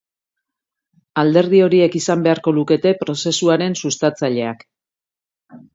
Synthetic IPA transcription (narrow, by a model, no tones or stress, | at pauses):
ald̪e̞ɾð̞io̞ɾie̞kisambe̞aɾko̞luke̞t̪e̞pɾo̞se̞suaɾe̞nsust̪at͡saʎe̞ak